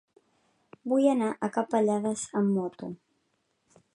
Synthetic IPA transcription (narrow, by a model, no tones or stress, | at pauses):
bujənaʔəkapəʎaðəzəmːɔt̪u